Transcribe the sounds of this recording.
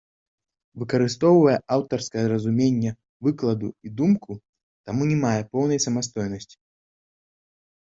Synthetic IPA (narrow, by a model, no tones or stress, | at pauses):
vɨkɐɾɨst̪ɔwvɐjɛʔawt̪ɐrskɐjɐɾɐzumʲenʲːɛ | vɨklˠɐd̪uid̪umku | t̪amunʲɛmajɛpɔwnɐjsɐmast̪ɔjnɐsʲt͡sʲi̥